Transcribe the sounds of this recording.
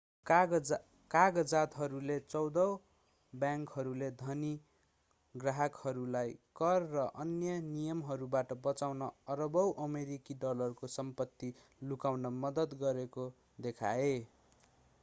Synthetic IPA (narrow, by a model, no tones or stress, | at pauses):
kaɡʌd͡zat̪ɦʌɾulet͡sʌwd̪ʌ | bjaŋkɦʌɾuled̪ʱʌni | ɡraɦʌkhʌɾulajkʌrːʌʔʌnjʌnijʌmɦʌɾubaʈʌbʌt͡sawnʌʌɾʌbʌwʔʌmeɾikiɖʌlʌrkosʌmpʌt̪ːi | lukawnʌmʌd̪ʌt̪ɡʌɾeko | d̪ekʰa̰e